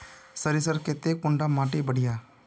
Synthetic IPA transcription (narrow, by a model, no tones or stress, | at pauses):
səɾis̬əɾket̪ːeːkʊɳɖaːmaːʈeːbəɽɪjaː